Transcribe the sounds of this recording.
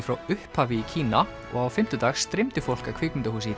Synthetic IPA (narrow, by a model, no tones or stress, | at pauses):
fɾawʏhphaːvɪicʰiːna | ɔ̰ɣawfɪm̥t̪ʏt̪aːxsːt̪ɾɪmt̪ɪfowl̥kakʰv̥ɪːkmʏnt̪ahuːsɪi